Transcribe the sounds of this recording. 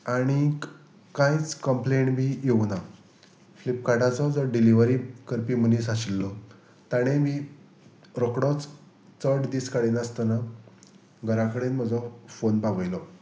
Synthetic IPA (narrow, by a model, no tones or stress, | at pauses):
aɽ̃i | kãjt͡skəmpleɳʈbʱijeʋna | flipkaʈat͡sɔd͡zɔɖiliʋəɾiːkəɾpiːm̤əniːsaɕilːɔ | t̪aɽ̃emi | ɾokɽɔt͡s | t͡səʈd̪iːskaɽiːnast̪əna | ɡʱəɾakəɽeːnm̤əd͡zɔfonpaʋəjlɔ